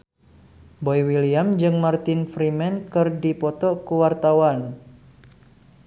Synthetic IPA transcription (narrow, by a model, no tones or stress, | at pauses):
bɔjwiliamd͡ʒɨŋmart̪ɪnfɾimɛnkɨrdipɔt̪ɔkuwart̪awan